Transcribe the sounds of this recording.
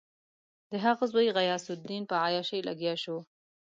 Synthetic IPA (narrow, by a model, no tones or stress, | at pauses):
d̪əɦaɣazwajɣajɑsʊd̪ːinpəajɑʃəjla̰ɡjɑʃu